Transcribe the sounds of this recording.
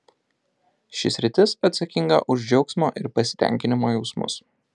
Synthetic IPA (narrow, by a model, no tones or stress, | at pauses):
ʃʲɪsʲɾʲɪt̪ʲɪsɐt̪sɐkʲɪŋɡɐ̰ʔʊʒʲd͡ʒʲɛʊksʲmo̰ːʔɪɾpɐsʲɪ̥t̪ʲɛ̰ˑŋʲkʲɪnʲɪmoːjɛʊsmʊ̰s